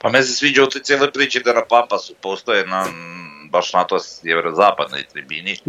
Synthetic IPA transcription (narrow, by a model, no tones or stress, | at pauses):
pamensesʋiːd͡ʒaut̪ojt̪sjelojpɾiːt͡ʃid̪anapampasupoːst̪ojenabaʃnat̪osjɛʋeɾozaːpad̪no̰it̪ɾibiːni